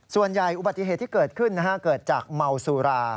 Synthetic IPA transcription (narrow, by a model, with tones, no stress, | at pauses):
su˨˩ənja˨˩jʔu˨˩ba˨˩t̪ːi˧˨eː˨˩t̪ːʰiː˥kɤː˨˩t̪̚kʰɯ˥˩nːa˦˥˩kʰa˦˥kɤː˨˩t̪̚t͡ɕaː˨˩k̚ma˧wsuː˧ɾaː˧